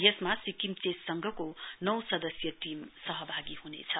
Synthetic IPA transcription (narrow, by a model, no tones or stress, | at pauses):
jesmasikimt͡sessʌŋɡʱʌkonʌwsʌd̪ʌsjʌtimsʌɦʌbʱaɡiɦunḛt͡sʰʌ